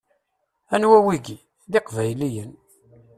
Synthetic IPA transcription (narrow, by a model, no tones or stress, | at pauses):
ænwæwiɡi | ðiqvæjlijən